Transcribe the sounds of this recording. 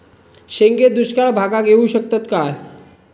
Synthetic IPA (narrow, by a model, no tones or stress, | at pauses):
ɕeŋɡed̪uɕkaɭbʱaɡaɡeũɕək̚t̪ət̪kaɦ